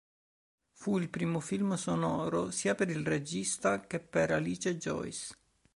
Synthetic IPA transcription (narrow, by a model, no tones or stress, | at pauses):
fuilpɾiːmofilmsonɔːɾosiːapeɾilred͡ʒist̪akepːeɾaliːt͡ʃed͡ʒɔ̰js